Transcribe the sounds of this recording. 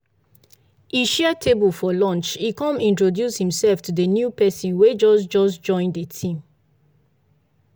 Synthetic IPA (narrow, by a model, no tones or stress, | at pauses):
iʃɛətʰebəlfɔlɔ̃nt͡ʃikɔ̃mĩntɹodjushĩmsɛlftʰudənjupɛsĩnwed͡ʒɔsd͡ʒɔsd͡ʒɔ̃ɪ̃ndətʰĩm